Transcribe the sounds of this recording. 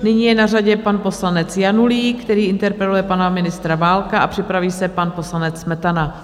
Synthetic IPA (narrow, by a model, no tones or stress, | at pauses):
nɪɲiːjɛnaraɟɛpanpo̞slanɛt͡sjanuliːkt̪ɛɾiːʔɪnt̪ɛɾpɾɛlujɛpanamɪnɪst̪ɾavaːlkaʔapr̥ɪpɾaviːsɛpanpo̞slanɛt͡smɛt̪ana